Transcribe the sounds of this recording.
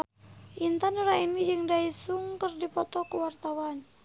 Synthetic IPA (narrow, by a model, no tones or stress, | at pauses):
ʔint̪anuɾainid͡ʒɨŋdaisuŋkərdipɔt̪ɔkuwart̪awan